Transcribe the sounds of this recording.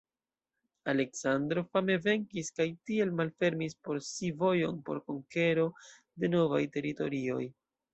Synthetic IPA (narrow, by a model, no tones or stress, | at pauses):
ale̞ksandɾo̞fame̞ve̞ŋkiskajtie̞lmalfe̞ɾmispo̞ɾsivo̞jo̞npo̞̰ɾko̞ŋke̞ɾo̞ | de̞no̞va̰jte̞ɾito̞̰ɾio̞̰j